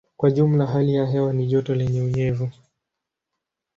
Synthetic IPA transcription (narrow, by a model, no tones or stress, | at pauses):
kwaʄum̩laɦalijaɦɛwaniʄɔtɔlɛɲɛuɲɛvu